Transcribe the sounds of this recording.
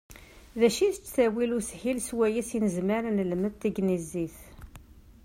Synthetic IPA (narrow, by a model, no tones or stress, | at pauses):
ðæʃiθt͡sːθæwilushilswæjæsinəzməɾnəlməðt̪ːəɡniziθ